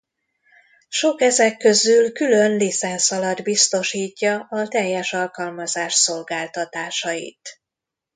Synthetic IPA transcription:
ʃo̞kɛzɛkːø̞zylkylø̞nlit̪sɛnsɒlɒd̪bist̪o̞ʃiːcːɒʔɒt̪ɛjːɛʃɒlkɒlmɒzaːʃso̞lɡaːlt̪ɒt̪aːʃɒjḭt̪

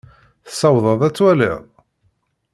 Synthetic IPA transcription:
θə̥sɑwðˤɑðˤæt͡sːwælɪ̰ʁˤ

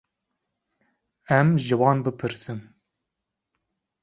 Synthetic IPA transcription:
ɛmʒɨwɑːnbɨpʰɨɾsɨm

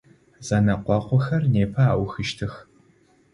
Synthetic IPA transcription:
z̥ɐnɐqʷɑqʷɔxɐrneːpʰɐaːwxɨʃtʰɨx

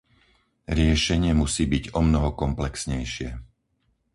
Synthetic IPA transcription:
ɾɪɛʃɛɲɪɛmusiːbiɟɔmnɔɦɔkɔmplɛksɲɛjʃɪɛ

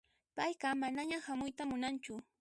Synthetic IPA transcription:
pajɢɑmanaɲahamʊjt̪amʊnant͡ʃʊ

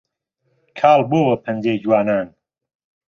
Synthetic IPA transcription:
kʰaːlboːwɐpʰɐnd͡ʒeːd͡ʒwaːnaːn

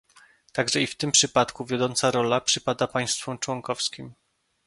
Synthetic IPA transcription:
t̪aɡʐɛift̪ɘmpʂɘpat̪kuvʲjɔd̪ɔnt̪saɾɔlapʂɘpad̪apaj̃st̪fɔmt͡ʂwɔŋkɔfskʲim

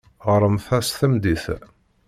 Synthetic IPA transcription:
ʁɾˤəmθæsθəmd̪iθ

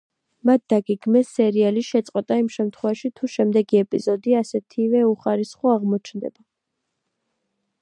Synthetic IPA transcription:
mat̪̚d̪aɡɛɡmɛsːɛɾialiʃɛt̪sʼqʼwɛt̪ʼaimʃɛmt̪ʰχwɛvaʃit̪ʰuʃɛmd̪ɛɡiɛpʼizɔd̪iasɛt̪ʰivɛuχaɾisχɔaʁmɔt͡ʃʰnd̪ɛ̰ba

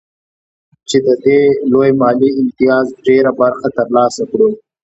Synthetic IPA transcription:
t͡ʃed̪əd̪elojmɑːliɪmt̪ijɑːzɖeɾabaɾxat̪əɾlɑːsakɽu

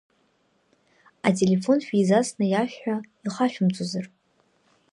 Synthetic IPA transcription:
atʼe̞le̞fo̞nʃᶣiizasnɨjaʃᶣħᶣaiχaʃᶣʊmt͡sʷʼozar

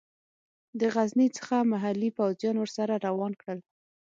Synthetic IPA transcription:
d̪əɣaznit͡sə̥xamaɦalːipawzjɑnwəɾsaɾaɾawɑnkɽəl

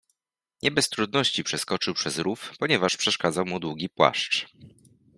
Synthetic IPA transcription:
ɲʔɛbɛst̪ɾud̪nɔɕt͡ɕipʂɛskɔt͡ʂɘwpʂɛzɾufpɔɲɛvaʂpʂɛʂkad̪zawmud̪wuɡʲipwa̰ʂt͡ʂ

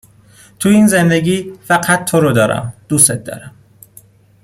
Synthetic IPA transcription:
t̪ʰuiːnzend̪e̞ɟiːfæɢæt̪̚ːʰoɾod̪ɒːɾʔæ̰md̪̥uset̪̚d̪ɒ̰ːɾæm

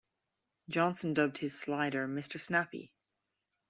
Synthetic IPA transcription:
d̥ʒ̥ɑ̃nsə̃ndʌb̚d̥̚hɪz̥slaɪɾə˞mɪstə˞snapḭ

